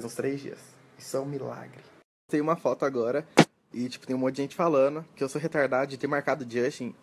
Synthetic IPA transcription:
zũst̪ɾejzd͡ʒḭɐ̰s | ɪsɐ̃w̃mila̰ɡɾɪ | t̪ẽjʊ̃ũmɐfɔt̪ʊaɡɔɾɐ | ɪt͡ʃi̥pʊ̥t̪ẽj̃mõt̪ʊd͡ʒʒẽt͡ʃɪ̥falɐ̃nʊkɪewsoɦet̪aɾd̪ad̪ʊd͡ʒɪt̪emaɾkad̪ʊd͡ʒiɐ̃ʃĩ

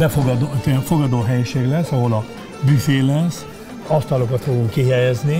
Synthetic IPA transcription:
bɛfoɡd̪ot̪ɛɱfo̞ɡɒd̪oːɦɛjiʃeːɡlɛsːɒɦo̞lɒ | byfeːlɛs | ɒst̪ɒlo̞kɒt̪foɡuŋkːiɦɛjɛzni

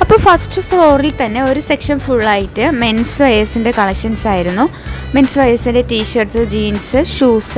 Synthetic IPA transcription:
ɐpːoːfɐsʈɨfro̞ːrilt̪ɐnːe̞o̞ɾusekʂɐnfuɭːaːjiʈːɨme̞nsʋɐjɐsinde̞kɐɭɐkɕɐnsaːjiɾunːume̞nsʋɐjɐsinde̞tiːɕɐrsɨd͡ʑiːnsɨʂuːs

